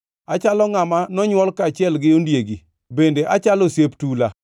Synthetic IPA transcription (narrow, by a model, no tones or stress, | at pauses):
at͡ʃalɔŋamanɔɲwɔlkaːt͡ʃɪɛlɡɪondjeɡi | bendeʔat͡ʃalosjeptula